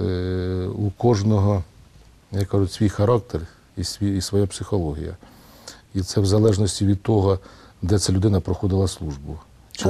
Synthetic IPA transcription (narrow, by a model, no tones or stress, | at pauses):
ukɔʒnɔɦɔ | jɑkːɑʒʊsʲʋʲijxɐɾɑk̚t̪er | isʲʋʲiisʋɔjapsɪxɔlˠɔɦʲḭjɐ̰ | it̪sɛwzɐlˠɛʒnɔsʲtʲiʋʲid̪̚t̪ɔɦɔd̪ɛt̪sɛlʲʊd̪ɪnɐpɾɔxɔd̪ɪlˠɐslˠuʒbʊ